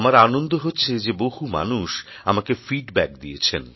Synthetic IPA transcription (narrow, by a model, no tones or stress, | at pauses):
maɾanond̪ʱoɦotːɕʰed͡ʑeboɦuma̰nuʃ | amakefiɖbɛk̚d̪ijet͡ɕʰen